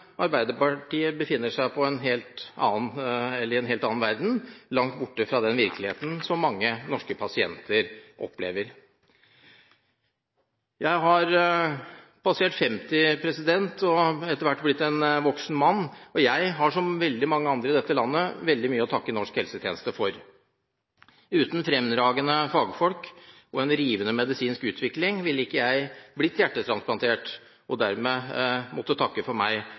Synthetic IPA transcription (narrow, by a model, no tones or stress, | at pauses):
ʔɑɾbæɪd̪əpɑʈiːəbəfɪnːəʂæɪpʰɔɛnɦeːlt̪ɑ̰ːnɛlːəɾɛnɦeːlt̪ɑːnʋæɾd̪n̩lɑŋt̪bʊʈːəfɾɑd̪ɛnʋɪɾklɪhḛːt̪n̩sɔmːɑŋːənɔʂkəpʰɑsɪɛ̰nt̪ʰəɾʔɔ̰pːlḛːʋəɾ | jʔæɪɦɑɾ | pʰɑseːʈfɛmt̪ɪpʰɾɛsɪd̪ɛnt̪ʰɔɛt̪ːəɾʋæʈːblɪt̪ːɛnʋɔksn̩mɑnːɔjæɪɦɑʂɔmʋɛld̪ɪmɑŋːəɑnd̪ɾəɪd̪ɛt̪ːəlɑnːəʋɛld̪ɪmyːəɔt̪ʰɑkːənɔʂkhɛlsət̪ʰjḛːnəst̪əfɔɾ | ʉːt̪nfɾɛmd̪ɾɑːɡənəfɑːɡfɔlk | ɔɛnɾiːʋənəmɛd̪ɪsiːnskʉːt̪ʰʋɪklɪŋʋɪlːɪkːəjæɪblɪt̪jæʈːət̪ʰɾɑnsplɑnt̪ʰeːʈ | ɔd̪æɾmɛmut̪ːət̪ʰɑkːəfɔɾmæ̰ɪ